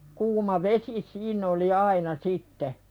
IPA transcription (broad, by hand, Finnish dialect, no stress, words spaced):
kuːmɑ ʋesi siːnˑ oli ɑinɑ sitːe